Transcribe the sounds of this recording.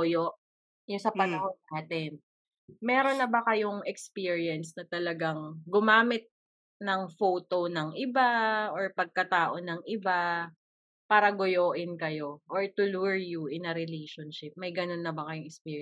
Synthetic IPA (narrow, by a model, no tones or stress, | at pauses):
ojoʔ | jʊŋsɐpɐnɐhonːaːt̪ɛn | mɛːɾo̞nːɐbɐkɐjoŋɛkspiːɹiɐnsnɐt̪ɐlɐɡaŋɡʊmaːmɪt̪̚ | nɐŋfoːt̪o̞nɐŋʔɪbaʔoɹpɐɡ̚kɐt̪aːʔo̞nɐŋʔɪba | paːɾɐɡʊjoːʔɪnkɐjo̞ʔoɹt̪ʊluɹjuʔɪnɐɾɪlejʃonʃɪp̚mɐjɡɐnonːɐbɐkɐjʊŋɛkspiːɹj